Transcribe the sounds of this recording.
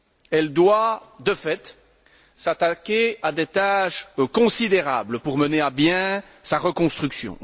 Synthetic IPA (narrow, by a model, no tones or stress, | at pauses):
ɛld̪wad̪əfɛt̪ | sat̪akʲead̪et̪aʃkɔ̃sid̪eʁa̰bləpuʁməneabjɛ̃ | saʁəkɔ̃st̪χyksjɔ̰̃